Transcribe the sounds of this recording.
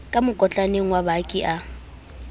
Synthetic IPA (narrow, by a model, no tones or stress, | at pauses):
kʼamʊkʼɔt͡ɬʼaneŋ̩wabakʼiʔa